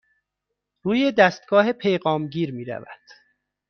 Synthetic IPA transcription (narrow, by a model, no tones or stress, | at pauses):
ruːje̞d̪æst̪ɡɒːɦe̞pʰejɣɒːmɟiːɾmiːɾæ̰væ̰d̪̥